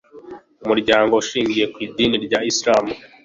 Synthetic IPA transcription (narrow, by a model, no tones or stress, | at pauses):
umuɾɟaːŋɡo̞uʃiːŋɡijekwiːdiːniɾɟaisɾaːmu